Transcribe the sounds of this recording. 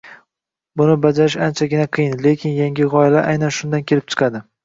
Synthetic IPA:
bʊnɪbad͡ʒaɾɪʃant͡ʃʰaɡʲɪnaqʰɨjɪnle̞kʲʰɪnjaŋʲɪʁɒɪlaʔajnanʃʊnd̪ankʲʰe̞lɪp̚t͡ʃʰɨ̥qʰɑd̪ɪ

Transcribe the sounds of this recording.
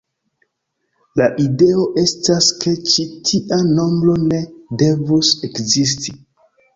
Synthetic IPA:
laʔide̞o̞ʔe̞staske̞t͡ʃitʰiʔano̞mbɾo̞ne̞de̞vuse̞kzis̬ti

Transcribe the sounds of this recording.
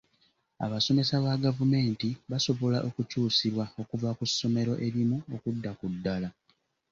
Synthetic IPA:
a̰βaso̞me̞saβaɡavume̞ːntiβaso̞βo̞laʔo̞kucuːsiɾwao̞kuvakusːo̞me̞ɾo̞ʔe̞ɾimuokudːakudːala

